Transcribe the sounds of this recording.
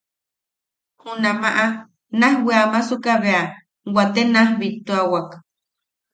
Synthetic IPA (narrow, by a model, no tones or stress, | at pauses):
hunamaʔa | nahweamasukaβea | wat̪enahbit̪ːuawak